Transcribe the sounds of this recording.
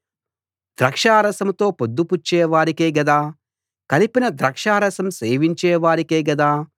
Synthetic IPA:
d̪̥ɾɐkʂaːɾɐsɐmt̪o̞ːpod̪ːuput͡ʃːɛːʋaːɾikeːɡɐd̪aː | kɐlipinɐd̪ɾɐkʂaːɾɐsɐmseːʋiɲt͡ʃɛːʋaːɾikeːɡɐd̪aː

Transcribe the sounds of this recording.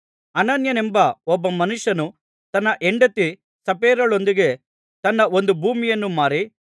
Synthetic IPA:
ɐnɐnjɐnembɐɔbːɐmɐnuʂjɐnu | t̪ɐnːɐʔeɳɖɐt̪i | sɐpeːɾɐɭo̞nd̪iɡe̞ | t̪ɐnːɐo̞nd̪ubʱuːmijɐnːumaːɾi

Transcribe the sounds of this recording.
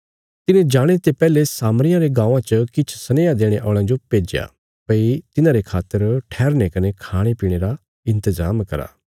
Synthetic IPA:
t̪ɪnẽd͡ʒaːɽ̃et̪epɛːlesaːmɾɪjãɾeɡãːũãt͡ʃəkɪt͡ʃʰsɐneːad̪eːɽ̃eʔɔ̰ːɭ̃ãd͡ʒopeːd͡ʒja̰ | pɐit̪ɪnãɾekʰaːt̪ːəɾʈʰɛːɾnekɐnekʰaːɽ̃epiːɽ̃eɾa | ɪ̃nt̪əzaːmkɐɾa̰ː

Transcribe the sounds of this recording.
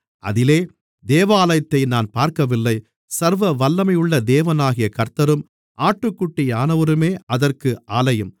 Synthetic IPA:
ʔɐ̰ðɪleː | d̪eːʋaːlɐjt̪ːɐɪnaːnpaːɾkɐʋɪlːɐɪ | sɐɾʋɐʋɐlːɐmɐɪjɯɭːɐd̪eːʋɐnaːɣɪjɐkɐɾt̪ɐɾɯm | ʔaːʈːɯkːʊʈːɪjaːnɐʋɐɾɯmeːɐðɐrkɯʔaːlɐjɯm

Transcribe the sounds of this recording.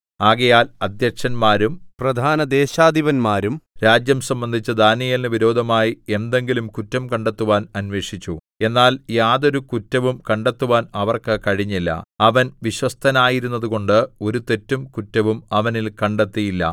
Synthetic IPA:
aːɣɐjaːlɐd̪jɐkʂɐnmaːɾumprɐd̪ʱaːnɐd̪eːɕaːd̪ʱiʋɐnmaːɾumɾaːd͡ʑjɐmsɐmbɐnd̪ʱit͡ɕːɐd̪ʱaːnːijɐlnɨʋiɾo̞ːd̪ʱɐmaːjie̞nd̪e̞ŋɡilumkutːɐmkɐɳɖe̞t̪ːuʋaːnɐnʋe̞ːʂit͡ɕːu | e̞nːaːljaːðo̞ɾukutːɐʋumkɐɳɖe̞t̪ːuʋaːnɐʋɐrkɨkɐɻiɲːilːɐ̰ɐʋɐnʋiɕwɐst̪ʰɐnaːjiɾunːɐðuɣo̞ɳɖɨo̞ɾut̪e̞tːumkutːɐʋumɐʋɐnilkɐɳɖe̞t̪ːijilːɐ̰

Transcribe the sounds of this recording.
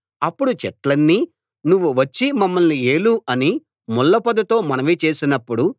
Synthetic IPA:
ɐpːuɽut͡ʃɛʈlɐnːi | nuʋːuʋɐt͡ʃːimɐmːɐlnieːluɐni | mulːɐpɐd̪ɐt̪o̞ːmɐnɐʋit͡ʃe̞ːsinɐpːuɽu

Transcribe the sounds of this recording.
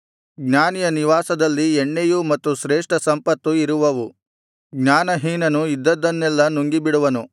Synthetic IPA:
ɡnaːnijɐniʋaːsɐd̪ɐlːieɳːejumɐt̪ːuʃɾeːʂʈɐsɐmpɐt̪ːuiɾuʋɐʋu | ɡɲaːnɐɦiːnɐnuid̪ːɐd̪ːɐnːɛlːɐnuŋɡibiɽuʋɐnu

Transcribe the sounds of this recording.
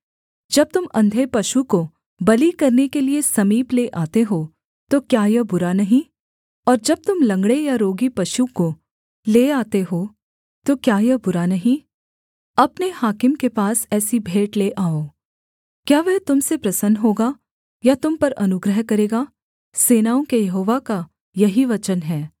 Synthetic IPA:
d͡ʒɐb̚t̪ʊmɐ̃nd̪ʱepɐʃuko | bɐlikɐɾnekeliesɐmiːpleʔaːt̪eɦoː | t̪okjaːjɐɦbʊɾanɐɦĩ | ɔːɾd͡ʒɐb̚t̪ʊmlɐ̃ŋɡɽejaɾoːɡipɐʃuko | leːaːt̪eɦoː | t̪okjaːjɐɦbʊɾanɐɦĩ | ɐpnehaːkɪmkepaːsɛːsibʱeːʈleʔaːoː | kjaːʋɛɦt̪ʊmsepɾɐsənɦoːɡa | jat̪ʊmpɐɾɐnʊɡɾəɦkɐɾeːɡaː | seːnaːõkejɐɦoːʋaka | jɐɦiʋɐt͡ʃənɦɛː

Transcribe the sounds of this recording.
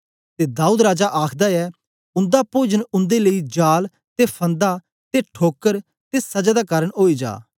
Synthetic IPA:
t̪eːd̪aːuːd̪ɾaːd͡ʒaʔaːkʰd̪aɛː | ʊ̃nd̪aːpoːd͡ʒənʊ̃nd̪eːləid͡ʒaːl | t̪epʰə̃nd̪a | t̪eːʈʰoːkəɾ | t̪eːsɐd͡ʒaːd̪aːkaːɾəɽɦoːid͡ʒa̰ː

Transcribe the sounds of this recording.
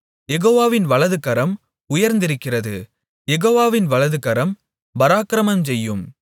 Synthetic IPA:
jɛɣoːʋaːʋɪnʋɐɭɐðɯɣɐɾɐm | ʊjɐɾnd̪ɪɾɯkːɪrɐðɯ | jɛɣoːʋaːʋɪnʋɐɭɐðɯɣɐɾɐm | bɐɾaːkɾɐmɐmsɛjːɯm

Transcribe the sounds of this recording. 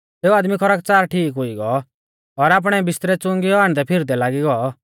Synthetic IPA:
teːuaːd̪mikʰɔɾaːk̚t͡saːɾʈʰiːkɦʊiɡɔ | ɔɾaːp̬ɽ̃ɛbɪst̪ɾɛt͡sʊ̃ŋɡiɔaːɽ̃d̪ɛpʰɪɾd̪ɛlaːɡiɡɔ

